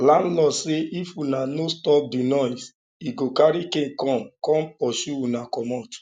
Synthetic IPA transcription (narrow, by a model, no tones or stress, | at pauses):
lãnlɔseʔifunanostɔp̚dinɔjs | iɡokaɾikẽnkɔ̃mkɔ̃mpɔʃuunakɔmɔt